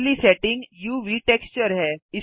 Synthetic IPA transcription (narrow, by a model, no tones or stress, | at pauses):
liːsɛʈiŋɡjuʋiːʈekst͡ɕəɾɦɛi